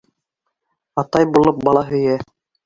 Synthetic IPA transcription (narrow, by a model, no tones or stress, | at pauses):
ɑt̪ɑjbulˠɤp̚bɑlˠɑɦɵ̆jæ